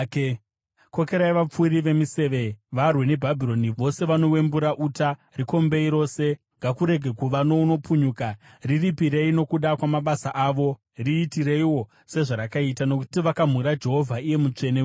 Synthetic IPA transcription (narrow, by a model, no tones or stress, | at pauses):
k | ko̞ke̞ɾajʋap͡fuɾiʋe̞mise̞ʋe̞ʋarwe̞ne̞bʱabʱiɾo̞niʋo̞se̞ʋano̞we̞mbuɾaʔuta | riko̞mbe̞iɾo̞ːse̞ | ŋɡakuɾe̞ɡʱe̞kuʋano̞uno̞puɲuka | riripiɾe̞ino̞kuɗakwamaɓasaʔaːʋo̞ | riːtire̞iwo̞ | se̞ʐaɾakaitano̞ku̥tiʋakam̤uɾad͡ʒe̞ɦo̞vʱaije̞mut͡ʂe̞ne